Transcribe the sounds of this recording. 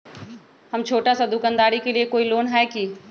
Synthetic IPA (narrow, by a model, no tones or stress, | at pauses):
hɐmt͡ʃʰoːʈasad̪ʊkə̃nd̪aːɾikeliekoːiloːnɦɛki